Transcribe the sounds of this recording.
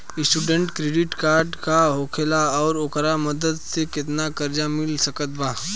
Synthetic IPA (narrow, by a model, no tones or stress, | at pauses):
ɪsʈuːɖə̃ɳʈkɾeːɖɪʈkaːɾɖkaɦoːkʰelaɔːɾoːkɾamɐd̪əd̪sekɪt̪nakɐɾd͡ʒamɪlsəkət̪̚baː